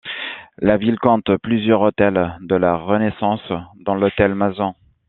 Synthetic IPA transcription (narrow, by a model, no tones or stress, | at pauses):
lavilkɔ̃t̪plyzjœʁot̪ɛld̪əlaʁənesɑ̃sd̪ɑ̃lɔt̪ɛlmazɑ̃